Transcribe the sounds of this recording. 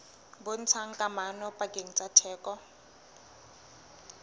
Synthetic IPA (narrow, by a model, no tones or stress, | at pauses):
bon̩t͡sʰaŋ̩kʼamanɔpʼakʼeŋ̩t͡sʼatʰɛːkʼɔ